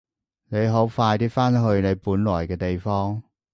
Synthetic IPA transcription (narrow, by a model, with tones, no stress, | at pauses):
ne˨˧jɦo˨˥wfaː˧jt̪iː˥faː˥nɦɵ˧ɥne˨˧jpuː˨˥nlɔː˨˩jkɛː˧t̪e˨jfɔː˥ŋ